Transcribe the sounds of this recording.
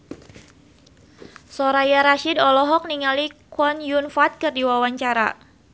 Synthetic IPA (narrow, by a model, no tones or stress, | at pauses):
sɔɾajaɾaʃidɔlɔɦɔk̚niŋalikwɔnjunfat̪̚kɨrdiwawaɲt͡ʃaɾa̰